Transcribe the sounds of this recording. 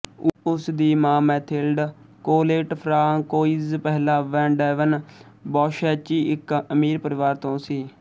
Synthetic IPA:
ʊsd̪iːmãːmɛːt̪ʰɪlɖ | koːleːʈpʰɾaːkoːizpɛːɦlaːʋɛ̃ːɳɖɛːʋən | bɔːʃɛːt͡ʃiːɪkəmiːɾpəɾɪʋaːɾt̪õːsiː

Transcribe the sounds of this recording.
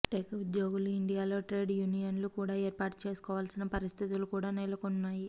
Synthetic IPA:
ʈeːkɐud̪jo̞ːɡuluiɳɖijaːlo̞ːʈɾe̞ːɖjuːnijɐnlukuːɽaːeːɾpaːʈt͡ʃe̞ːsu̥kɔːʋaːlsinɐpɐɾist̪ʰit̪ulukuːɽaːnelɐkunːaːji

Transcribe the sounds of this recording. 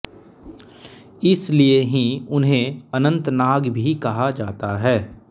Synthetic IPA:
ɪslieɦĩʊnɦẽɐnə̃nt̪naːɡbʱikɐɦad͡ʒaːt̪aɦɛː

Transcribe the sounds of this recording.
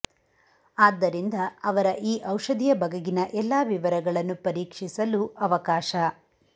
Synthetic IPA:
aːd̪ːɐɾind̪ɐɐʋɐɾɐʔiːʔɐwʂɐd̪ijɐbɐɡɐɡinɐʔɛlːaːʋiʋɐɾɐɡɐɭɐnːupɐɾiːkʂisɐluʔɐʋɐkaːʃɐ

